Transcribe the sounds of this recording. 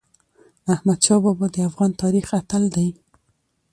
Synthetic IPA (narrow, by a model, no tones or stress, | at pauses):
ahmad̪ʃɑbɑbɑd̪əafɣɑnt̪ɑɾixat̪ald̪aj